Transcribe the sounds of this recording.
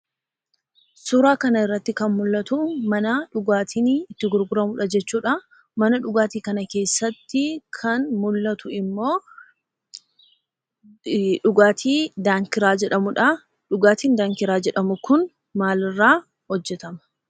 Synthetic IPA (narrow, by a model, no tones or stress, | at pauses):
suːɾaːkɐnɐɪrːɐt̪ːɪkɐnmʊlːɐt̪ʊmɐnɐᶑʊɡaːt̪ʰiːnɪt̪ːɪɡʊɾɡʊɾɐmʊᶑɐd͡ʒɛt͡ʃːuːᶑɐ | mɐnɐᶑʊɡaːt̪iːkɐnɐke̞ːsːɐt̪ːɪkʰɐnmʊlːɐt̪ʊɪmːo̞ː | ᶑʊɡaːt̪ʰiːd̪aːŋkɪɾaːd͡ʒɛᶑɐmʊᶑɐ | ᶑʊɡaːt̪iːnd̪aːŋkɪɾaːd͡ʒɛᶑɐmʊkʊn | maːlɪrːaː | hɔd͡ʒːɛt̪ɐmɐ̥